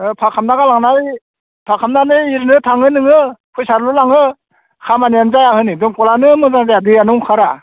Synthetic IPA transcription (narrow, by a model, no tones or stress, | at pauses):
pʰakʰamnaɡalaŋnaj | pʰakʰamnanɯiɾnɯtʰaŋɯnɯŋɯkʰɯjsaɾlulaŋɯ | kʰamanianzajahɯnidɔmkɔlanɯmɯzaŋzajadɯjanɯwŋkʰaɾa